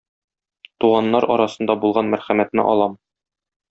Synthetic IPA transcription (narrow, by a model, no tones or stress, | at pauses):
t̪uʁɑnːɑɾɒ̰ɾɑsɤ̆nd̪ɑbulˠʁɑnmæɾχæmæt̪nɘ̰ʔɒ̰lˠɑm